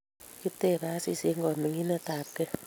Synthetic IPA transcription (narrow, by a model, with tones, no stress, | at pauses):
ki˦te˦˨ɾa˦si˦˨si˦ŋɡɔ˨ni˨ŋi˦na˦ta˨p̚kɛ˦